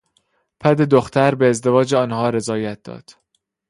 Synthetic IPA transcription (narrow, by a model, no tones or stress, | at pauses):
pʰæd̪e̞d̪oxt̪ʰæɾbeːzd̪e̞vɒːd͡ʒeɒːnhɒːɾe̞zɒːjæt̪̚d̪̥ɒ̰ːd̪̥